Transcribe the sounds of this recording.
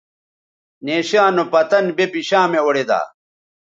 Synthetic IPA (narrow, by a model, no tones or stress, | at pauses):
neːɕaːnopɐt̪ɐnbepiɕaːmeoɽed̪a̰ː